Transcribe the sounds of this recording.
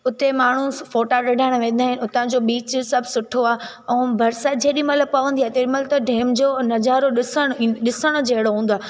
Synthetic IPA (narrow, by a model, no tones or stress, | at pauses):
ʊt̪emaːɳ̤ufoːʈaɗɐɖʱaːɪɽ̃ʋẽːnd̪aːɦɪnɪʊt̪ãd͡ʑoːɓiːt͡ɕsɐbʱsʊʈʰoaːɦ | ɛ̃bʱɐɾsad͡ʑeːɗɪməlpɐʋə̃nd̪iat̪eɗɪməlt̪ɐɖʱeːmd͡ʑoːnɐd͡ʑaːɾoɗɪsəɽ̃ɗɪsəɽ̃ʊd͡ʑɐɦɪɽoɦũːn̆d̪oaː